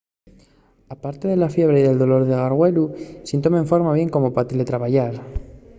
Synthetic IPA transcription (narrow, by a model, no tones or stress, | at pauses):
apaɾt̪eðe̞lafje̞β̞ɾeiðe̞ld̪olo̞ɾðeɣ̞aɾɣwe̞lusint̪omeɱfo̞ɾmaβje̞ŋko̞mo̞pat̪elet̪ɾaβaʝaɾ